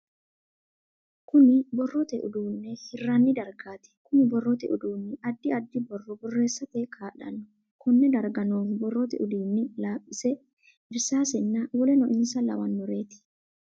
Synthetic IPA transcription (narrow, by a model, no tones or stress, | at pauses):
kʊnɪbɔrːɔt̪ɛʔʊ̰d̪uːnːɛhɪrːɐnːɪd̪ɐɾɡaːt̪ɪ̥kʊnɪbɔrːɔt̪ɛʔʊd̪uːnːɪʔɐd̪ːɪɐd̪ːɪbɔrːɔbɔrːe̞ːsːɐt̪ekʰaːᶑɐ̰lʊ | kʊnːɛd̪ɐɾɡɐnoːfbɔrːɔt̪ɛ̰ʔʊd̪iːnːɪlaːpʼːɪsɛ | ɪɾsaːsɛnːawɔlɛnɔʔɪnsɐlɐ̰wɐnːʊɾe̞ːt̪ɪ̥